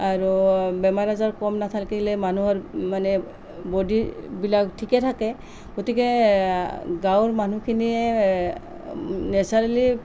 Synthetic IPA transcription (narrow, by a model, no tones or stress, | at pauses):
aɹubɛmaɹazaɹkɔmnatʰalkelɛmanuɦɔɹmanɛ | bɔdibilaktʰikɛtʰakɛ | ɡotikɛ | ɡawɹmanukʰiniɛ | nɛsalli